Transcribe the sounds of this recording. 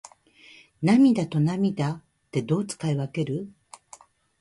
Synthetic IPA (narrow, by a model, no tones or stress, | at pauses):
namʲid̪at̪o̞namʲid̪a | t̪ːe̞d̪o̞ːt͡sɨ̥kaiβake̞ɾɯ̟